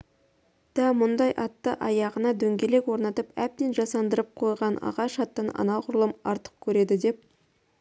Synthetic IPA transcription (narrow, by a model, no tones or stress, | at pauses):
d̪̥æmʊnd̪ɑjʔɑt̪ːəʔɑjɑʁənɑd̪ɵŋɡʲe̞le̞kwo̞ɾnɑt̪əpæp̚t̪e̞nʒɑsɑnd̪əɾəp̚qʰo̞jʁɑnʔɑ̰ʁɑʃɑt̪ːənɑ̰nɑqʰʊɾəlˠəmɑɾt̪ə̥q̚kʲʰɵɾe̞d̪ɪd̪e̞p̚